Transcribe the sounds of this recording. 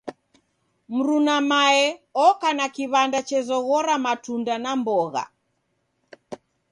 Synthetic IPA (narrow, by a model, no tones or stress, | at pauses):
m̩ɾunamaɛɔkanakiβandat͡ʃɛzɔɣɔɾamatundanambɔɣa̰